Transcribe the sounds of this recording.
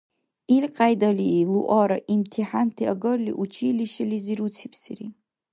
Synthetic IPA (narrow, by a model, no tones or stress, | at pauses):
ilqʼajdaliluʔaɾaʔimtʰiħantʰiaɡɨrlḭʔut͡ʃʰiliʃaliziɾut͡sʰipʰsḭri